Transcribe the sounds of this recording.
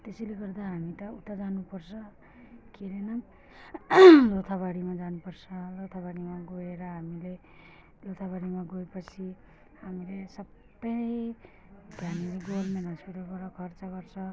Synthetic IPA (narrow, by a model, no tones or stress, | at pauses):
t̪eseleɡʌrd̪aɦamit̪ʌut̪ːad͡zanupʌrsʰʌ | kiɾenʌ | lot̪ʰaβaɽimad͡zanupʌrsʰʌlot̪ʰabaɽimaɡoeɾʌɦamile | lot̪ʰabaɽimaɡoepʌt͡sʰi | ɦamilesʌb | ʌ | d̪ʱjanileɡolmenɦʌspiʈalbʌɽʌkʰʌrt͡sʌɡʌrt͡sʰʌ